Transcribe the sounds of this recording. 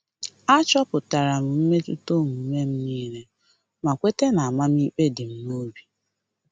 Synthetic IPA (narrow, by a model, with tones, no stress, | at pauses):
a˦t͡ʃɔ˦pʊ˨ta˨ɾa˨m̩˨m̩˦me˦tṵ˦to˦m̩˨m̩˦me˦m̩˦niː˦ɾe˦ | ma˨kʷe˦te˦na˨a˨ma˦m˦i˦k͡pe˦dɪ˨m̩˦no˦bi˨